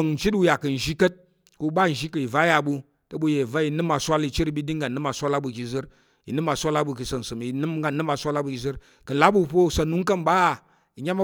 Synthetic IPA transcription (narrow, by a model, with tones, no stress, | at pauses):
ŋn̩˨t͡ʃi˦tu˦ja˨kɨ˨n̩˨ʒi˦kə˦t̚ | ku˧˦ba˦˨n̩˨ʒi˦kɨ˨i˨va˦ja˨bu˧ | tə˦bu˧˦je˨i˨va˦i˧nɨ˦ma˨sʷa˦li˧t͡ʃi˦ɾi˦bi˦di˦ŋɡa˨nɨ˦ma˨sʷa˦la˦bu˨ki˨zɨ˦ɾ | ḭ˨nɨ˦ma˨sʷa˦la˦bu˧˨ki˨sɐ˨n̩˨sɨ˨m˨i˨nɨ˦m˦ɡa˨nɨ˦ma˧sʷa˦la˦bu˨ki˨zɨ˦ɾ | kɨ˨n̩˨la˦bu˦˨po˦u˨sa˧nu˦ŋ˦kɐ˦mba˦˨ | i˨ɲʲa˦ma˦